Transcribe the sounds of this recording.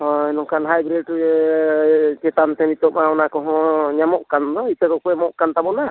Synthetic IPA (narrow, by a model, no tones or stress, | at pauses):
ɔɛnɔkanɦajbɾɛɖ̚ | t͡ʃɛt̪ant̪ɛmit̪ɔʔ̚maɔnakɔɦɔ̃ɲamɔʔkand̪ɔit̪ɛkɔkɔmɔʔkant̪abɔna